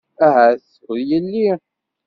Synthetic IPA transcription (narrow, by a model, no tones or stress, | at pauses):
æɦæθ | ðjəlːi